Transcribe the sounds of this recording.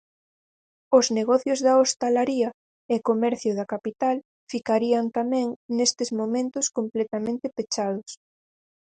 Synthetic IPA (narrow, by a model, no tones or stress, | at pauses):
ozneɣɔθjʊzðaost̪alaɾiɐ | ekomɛɾθjʊðɐkapit̪al | fikaɾiɐnt̪amɛ̃ŋnest̪ezmomẽnt̪ʊskomplɛt̪amẽnt̪ɪpet͡ʃaðʊs